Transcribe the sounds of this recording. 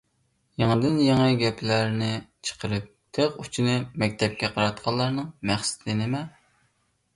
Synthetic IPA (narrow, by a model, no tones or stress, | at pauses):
jeŋəd̪ɪnjeŋɨɡʲɛplæɾnɪt͡ʃʰə̥qʰəɾɨp̚t̪ʰøqut͡ʃʰinɨmɛk̚ʲt̪ʰɛp̚kʲɛqʰɑɾɑt̪̚qʰɑlˠːɑɾnɨŋmæχsɪ̥t̪ʰɪnɪmɛ